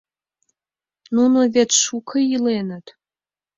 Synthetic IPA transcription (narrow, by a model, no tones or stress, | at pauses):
nunovet̪ʃukʰəjilenət̪